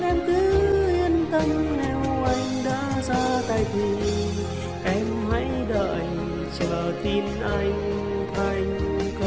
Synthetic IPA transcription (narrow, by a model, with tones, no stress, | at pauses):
ʔɛ˧mkɨ˨˦hi˧ənt̪ə˧ŋnɛ˧˩wʔa˧jŋ̟ɗaː˧˥saː˧t̪aː˧˩jt̪ʰi˨˩ | ʔɛ˧mha˧˥jɗə̰ː˧˨j | t͡ɕə˧˨˩t̪i˧nʔa˧jŋ̟ | t̪ʰa˧˩jŋ̟k